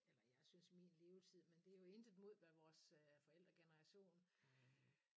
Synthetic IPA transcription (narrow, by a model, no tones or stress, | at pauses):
elɐjɑ̈ɪsynsmḭːnle̝ːʊt͡sʰið̰ˠmend̥e̝jo̝e̝nd̥ð̩ˠmo̝ð̞̰ˠʋæʋɒːsfɒ̽el̰d̥ʁɐɡ̥enɐʁɑ̈ɕo̝̰ːn